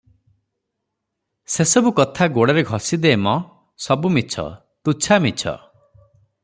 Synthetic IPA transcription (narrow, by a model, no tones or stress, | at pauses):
sesɔbukɔt̪ʰaɡoɽɔɾeɡʱɔsid̪eːmɔ | sɔbumit͡ʃʰɔ̰ | t̪ut͡ʃʰamit͡ʃʰɔ̰